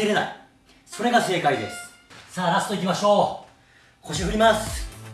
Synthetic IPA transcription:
iɾe̞na̰i | so̞ɾe̞ɡase̞ːkaid̪e̞̰sɨ̥ | saːɾast̪o̞ikʲimaɕo̞ː | ko̞ɕiɦɯ̟ɾʲimasɨ̥

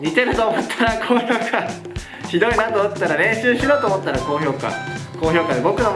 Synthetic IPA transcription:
ɲʲit̪e̞ɾɯ̟t̪o̞ːmo̞t̪ʰːaɾakʰoːço̞ːkʰa | çid̪o̞inãt̪oːmot̪ːet̪ːaɾaɾẽ̞ɰ̃ɕɨːɕiɾo̞ːt̪oːmot̪ːaɾako̞ːçʲo̞ːka̰ko̞ːçʲo̞ːkad̪e̞bo̞kɯ̟no

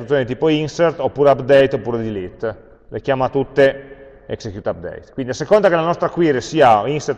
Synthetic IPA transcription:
ut̪sjonit̪iːpoinsert̪opːuːɾeapd̪ɛjt̪opːuːɾed̪ilit̪ː | lekjaːmat̪ut̪ːe | ḛksekjuːt̪ap̚d̪ɛ̰jt̪kwind̪iasekond̪akelanɔst̪ɾakwiɾesiːainser

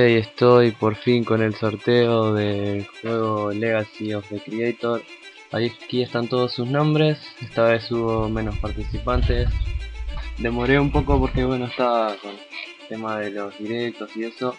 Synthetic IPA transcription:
eje̞st̪o̞jpo̞ɾfiŋko̞ne̞lso̞ɾt̪eoðe̞lxwe̞ɣo̞le̞ɣasiofðekɾiejt̪oɾ | aikie̞st̪ant̪o̞ð̞osːusnõ̞mbɾe̞sest̪aβe̞suβo̞mẽ̞no̞spaɾt̪isipant̪e̞s | d̪e̞mo̞ɾe̞umpo̞ko̞po̞ɾke̞βwe̞noest̪ako̞nlt̪e̞maðe̞lo̞zðiɾe̞k̚t̪o̞sie̞so̞

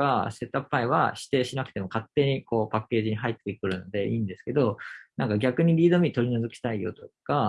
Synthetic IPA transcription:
ase̞t̪apːaiβa̰ɕi̥t̪e̞ːɕinakɯ̥t̪e̞mo̞kat̪ːe̞ɲ̟iko̞ːpakːe̞ːʑiɲ̟iɦait̪ːekɯ̟ɾɯ̟no̞d̪e̞ʔiːnd̪e̞sɨ̥ke̞d̪o̞nãŋkaɡʲakɯ̟ɲ̟iɾʲiːd̪o̞mʲit̪o̞ɾʲino̞zɨkʲi̥t̪aijo̞̰t̪o̞jɯka

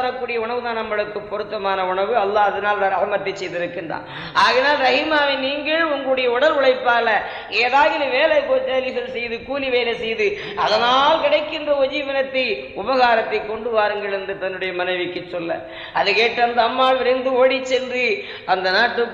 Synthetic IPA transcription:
ɾɐkːuːɽɪjɐʊɳɐʋɯðaːnɐmːɐɭɯkːɯpːɔɾɯt̪ːɐmaːnɐʊɳɐʋɯɐlːaːɐðɐnaːlʋ̪ɐɾɐhɯmɐt̪ːɐɪt͡ʃːɛjðɪɾɯkːɪndra̰ːn | aːɣɐnaːlɾɐɣimaːʋɪnniːŋɡɐɭʊŋɡɐɭɯɽɐjɐʊɽɐlʊɭɐɪpːaːlɐ | eːðaːɣɪlɯʋeːlɐɪkoːt̪eːɾɪɣɐɭsɛjðɯkuːliʋeːlɐɪsɛjðɯ | ɐðɐnaːlkɪɽɐɪkːɪndrɐɔd͡ʒiːʋɐnɐt̪ːɐɪ | ʊbɐɣaːɾɐt̪ːɐɪkːɔɳɖɯʋaːɾɯŋɡɐɭɛnd̪ɯt̪ɐnːɯɽɐjɐmɐnɐɪʋɪkːɯt͡ʃːɔlːɐ̰ | ʔɐðɯkeːʈːɐnd̪ɐɐmːaːlʋɪɾɐnd̪ɯoːɽit͡ʃːɛndɯ | ɐnd̪ɐnaːʈːɯ

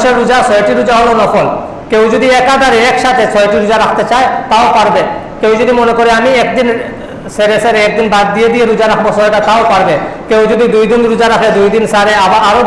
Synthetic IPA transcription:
ʃeɾud͡ʒasɔjʈiɾud͡ʑaɦɔlonɔkʰɔl | kewd͡ʒɔd̪iɛkad̪ʱaɾeɛkʃat̪ʰet͡ʃʰɔjʈiɾud͡ʒaɾakʰt̪et͡ɕaet̪aowpaɾbe | kewd͡ʒɔd̪imonekoɾeamiɛk̚d̪in | seɾeseɾɛk̚d̪inbad̪ːijed̪ijeɾud͡ʑaɾakʰbosɔjʈat̪aowpaɾbekewd͡ʒud̪id̪ujd̪inɾud͡ʒaɾakʰed̪ujd̪insaɾeabaʔaɾo

